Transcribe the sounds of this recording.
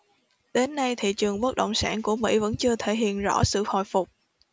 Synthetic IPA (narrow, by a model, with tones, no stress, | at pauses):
ɗe˨˦nːa˧jt̪ʰḭ˧˨t͡ɕɨ˨˩əŋɓə˦˥k̚ɗə̰˧˨wŋ͡msaː˧˩nku˧˩əmḭ˧˥və̰˧˥nt͡ɕɨ˧ət̪ʰe˧˩ɦḭ˧˨ənzɔ̰˧˥sɨ̰˧˨ho̰˧˨jfʊ˨˩k͡p̚